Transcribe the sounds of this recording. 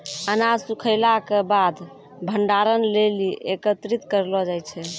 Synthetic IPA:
ənasukʰəjlakebad̪ | bʱəɳɖaɾənleliʔekət̪ɾit̪kəɾlɔd͡ʒajt͡ʃʰɛ

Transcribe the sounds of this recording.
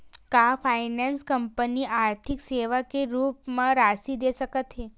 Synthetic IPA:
kafʰainanskəmpəniʔaɾt̪ʰikseʋakeɾupmãɾasid̪eʃəkət̪ɦe

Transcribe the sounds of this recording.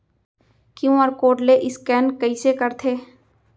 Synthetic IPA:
kjũɔɾkoːʈleʔɪskɛːnkɐisekəɾt̪ʰeː

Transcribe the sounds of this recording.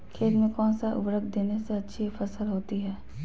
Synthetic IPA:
kʰeːt̪mẽkɔːnsaʔʊ̰bɾək̚d̪eːneseɐtːʃʰifəsəlɦoːt̪iɦɛː

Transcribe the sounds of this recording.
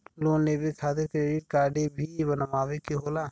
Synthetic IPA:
loːnːeːbʱikʰaːt̪eɾkɾeːɖɪʈ̚kaːɾɖebʱibənəmaːʋekiɦoːlaː

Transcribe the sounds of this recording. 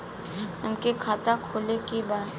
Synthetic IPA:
əmkekʰaːt̪akʰoːlekibaːt̪

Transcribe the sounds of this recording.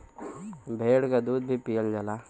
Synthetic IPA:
bʱeːɽkad̪uːd̪̚bʱipijəld͡ʒala

